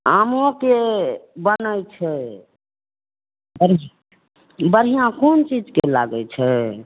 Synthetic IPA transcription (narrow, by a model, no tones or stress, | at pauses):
amokebənəjt͡ʃʰɛ | bəɾj | bəɾɦijãkont͡ʃid͡ʒkela̰ɡət͡ʃʰɛ